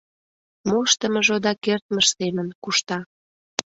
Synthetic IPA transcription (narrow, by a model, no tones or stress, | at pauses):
moʃt̪əmə̆ʒod̪ɑkert̪̚məʃsemənkuʃt̪ɑ